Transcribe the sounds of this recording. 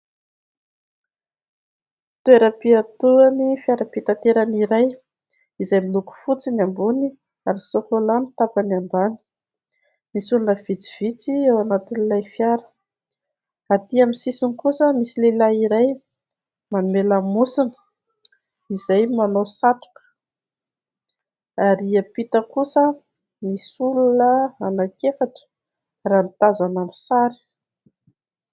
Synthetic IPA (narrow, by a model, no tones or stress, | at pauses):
t̪ueɾəpiat̪uanifjaɾəpit̪at̪eɾaniɾaj | izajmiluku̥fut͡siniambuni | aɾisokolanit̪apanambani̥ | misulunəv̥it͡si̥v̥it͡siewanat̪inilajfjaɾə̥ | at̪iamisisinikusəmisilelaiɾaj | manumelamusinə̥ | izajmanowsat̪u̥kə̥ | aɾiapit̪əkusə | misulunəanakefaʈ͡ʂə̥ | ranit̪azanamisaɾi̥